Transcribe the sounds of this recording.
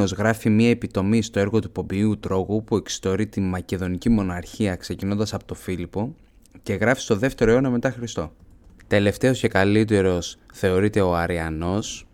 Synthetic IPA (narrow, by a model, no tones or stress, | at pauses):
o̞zɣɾɐfimiɐe̞pit̪o̞mist̪o̞e̞ɾɣo̞t̪upo̞biut̪ɾo̞ɣupue̞ksi̥t̪o̞ɾit̪inmɐce̞ðo̞nicimo̞nɐɾçiɐkse̞cino̞nd̪ɐsɐpo̥t̪o̞filipo̞ | ce̞ɣɾɐfi̥st̪o̞ðe̞ft̪e̞ɾoeo̞nɐme̞t̪ɐxɾist̪o̞̰ | t̪e̞le̞ft̪e̞o̞sce̞kɐlit̪e̞ɾo̞sθe̞o̞ɾit̪e̞o̞ɐɾiɐno̞s